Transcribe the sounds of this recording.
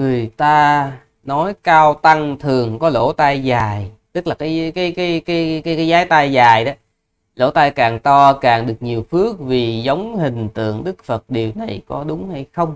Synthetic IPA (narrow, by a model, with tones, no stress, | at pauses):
ŋɨ˨˩əjt̪aː˧ | nɔ˨˦jkaː˧wt̪a˧ŋt̪ʰɨ˨˩əŋkɔ˨˦lo̰˧˩t̪a˧jzaː˨˩jt̪ɨ˦˥k̚laː˨˩kaː˨˦jkaː˨˦jkaː˨˦jkaː˨˦jka˨˦jkaː˨˦jzaː˨˦jt̪a˧jzaː˨˩jɗ | lo̰˧˥˦t̪aː˧jkaː˨˩ŋt̪ɔ˧kaː˨˩ŋɗɨ˨˩ək̚ɲi˨˩əwfɨ˦˥ək̚vi˨˩zə˨˦wŋ͡mhï˨˩ŋ̟t̪ɨ̰˧˨əŋɗɨ˦˥k̚fə˨˩t̚ɗi˨˩əwna˨˩jkɔ˨˦ɗʊ˨˦ŋ͡mha˧jxə˧wŋ͡m